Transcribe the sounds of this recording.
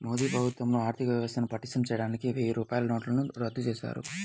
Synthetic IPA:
moːd̪iːpɾɐbʱut̪ʋɐmnoaːɾt̪ʰikɐʋjɐʋɐst̪ɐnupɐʈːisʈɐmt͡ʃɛːjɐɽaːnikiʋeːjuɾuːpaːjlɐnoːʈlɐnuɾɐd̪ːut͡ʃeːsa̰ːɾṵ

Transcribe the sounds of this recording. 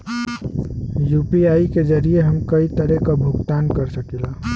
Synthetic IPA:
jupiaiked͡ʒəɾijeɦəmkəit̪əɾekabʱuɡt̪ankəɾsəkilã

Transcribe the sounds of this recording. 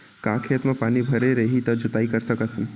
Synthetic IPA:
kãːkʰet̪mẽpaːnibʱəɾeɾəɦit̪əd͡ʒʊt̪aːikəɾsəkət̪ʰ

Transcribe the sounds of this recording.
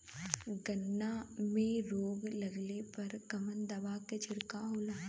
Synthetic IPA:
ɡɐnːamẽɾoːɡlɐɡlepɐɾkɐmənd̪ɐbaket͡ʃʰɪɽkaɦoːlaː

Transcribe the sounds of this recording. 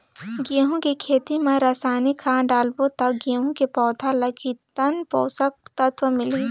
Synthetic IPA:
ɡiɦũkikʰeːt̪imẽɾaːsaːnikʰãːɖaːlbot̪ɐkɡiɦũkepɔːt̪ʰalɐɡʰit̪ɐnpoːsək̚t̪ɐt̪wəmɪli

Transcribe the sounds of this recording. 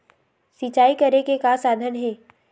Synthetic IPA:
sit͡ʃaːikəɾekekasaːd̪ʱənɦeː

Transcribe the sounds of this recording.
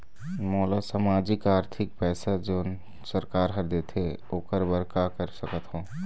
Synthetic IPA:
mɔːlasamaːd͡ʒɪkaːɾt̪ʰɪk̚pɛːsad͡ʒoːn | səɾkaːɾɦəɾd̪et̪ʰe | oːkəɾbəɾkakəɾsəkət̪ɦõː

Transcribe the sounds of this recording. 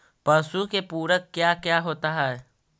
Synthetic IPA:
pəːsukepuːɾəkkjaːkjaːɦoːt̪aɦɛɛ

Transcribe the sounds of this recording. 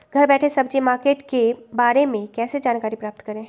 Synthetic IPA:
ɡʱɐɾbɛːʈʰẽsɐbd͡ʒimaːɾkeːʈkebaːɾemẽkɛːsed͡ʒaːnkaːɾipɾaːp̚t̪kɐɾẽː

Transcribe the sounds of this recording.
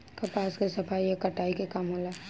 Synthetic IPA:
kɐpaːskesɐfaːijakɐʈaːikekɐmɦoːlaː

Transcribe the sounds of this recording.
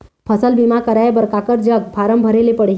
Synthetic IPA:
pʰəsəlbimakəɾaebəɾkakəɾd͡ʒəɡ̚pʰaɾəmbʱəɾelepəɽɦ

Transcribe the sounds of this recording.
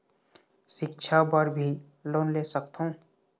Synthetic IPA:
ʃɪk̚t͡ʃʰabəɾbʱi | loːnleːsəkt̪ɦõː

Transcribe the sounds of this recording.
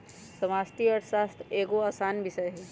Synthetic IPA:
sɐmaːst̪iəʈsaːst̪ʰeːɡoaːsaːnʋɪsɐjɦɛ

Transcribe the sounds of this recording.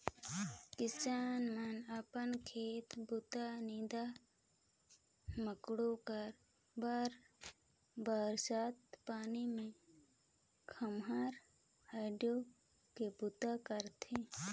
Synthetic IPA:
kɪsaːnmənəpənkʰeːt̪bʊt̪aniːd̪a | məkɽokəɾ | baːɾ | baːɾsaːt̪̚paːnimẽ | kʰəmɦaːɾ | aːɖjo | kebʊt̪akəɾt̪ʰẽː

